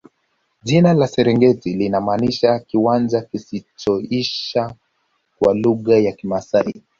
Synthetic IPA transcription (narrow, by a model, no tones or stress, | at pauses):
ʄinalasɛɾɛŋɡɛtilinamaːniʃakiwand͡ʒakisit͡ʃɔiʃa | kwaluɣajakimasai